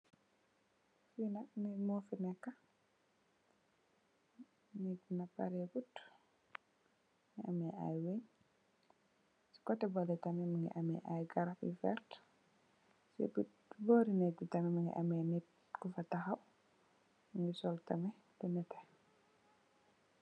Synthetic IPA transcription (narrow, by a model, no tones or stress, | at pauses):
finanɛmɔfinɛkːa | nɛɡunapa̰ɾɛɡut | ŋiʔamɛa̰jweɲ | si̥kɔtːɛbɔlɛtamɛmaŋḭʔamɛʔajɡaɾafḭfɛ̰ɾt | sḭbut | bɔɾinɛd͡ʒutamɛmaŋɡḭʔamɛnɛt̚ | kufataxaw | ŋɡisɔltamɛ | tɛnɛtɛ̥